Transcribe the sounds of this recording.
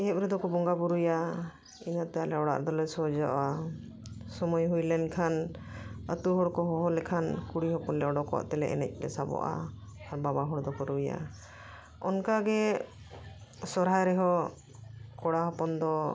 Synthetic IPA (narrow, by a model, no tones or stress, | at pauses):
iɦɛp̚ɾɛd̪ɔkɔbɔŋɡabuɾuja | inat̪ɛalɛɔɽa̰ʔd̪ɔlɛsɔd͡ʒɔʔa | sɔmɔjɦujlɛnkʰan | ət̪uɦɔɽkɔɦɔɦɔlɛkʰankuɽiɦɔpɔnlɛɔɖɔkɔwa̰ʔt̪ɛlɛ̰ʔɛ̰nɛ̰c̚ˀlɛsabɔ̰ʔa̰ː | ɾbabaɦɔɽd̪ɔkɔɾuja̰ | ɔnkaɡɛ | sɔɾɦajɾɛɦɔ | kɔɽaɦɔpɔnd̪ɔ